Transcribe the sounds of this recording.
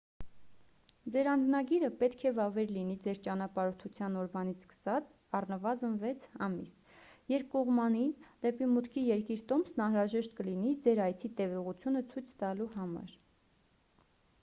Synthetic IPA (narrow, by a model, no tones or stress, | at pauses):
d͡zɛɾɑnd͡znɑɡiɾəpɛt̪kʰɛvɑvɛɾlin̪id͡zɛɾt͡ʃɑnɑpɑɾɔt̪ʰut͡sʰjɑnɔɾvɑnit͡sʰskə̥sɑt͡s | ɑrnəvɑzənvɛt͡sʰɑ̰mḭs | jɛɾp̚ʰkɔʁmɑnind̪ɛpimut̪kʰijɛɾkiɾt̪ɔmsnɑnɾɑʒɛʃt̪̚kəlinid͡zɛɾɑjt͡sʰit̪ɛvɔʁut͡sʰjunət͡sʰujt͡sʰt̪ɑluɦɑmɑ̰ɾ